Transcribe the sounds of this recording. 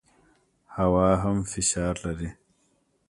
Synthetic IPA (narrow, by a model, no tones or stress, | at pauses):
hawɑɦamfɪʃɑːɾlaɾi